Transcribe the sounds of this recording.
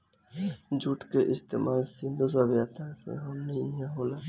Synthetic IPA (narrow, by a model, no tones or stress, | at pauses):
d͡ʒuʈkeʔɪst̪ḛːmʔaːlsĩnd̪us̬aʋjaːt̪ãsḛɦɐmnəɦĩɦãɦoːlaː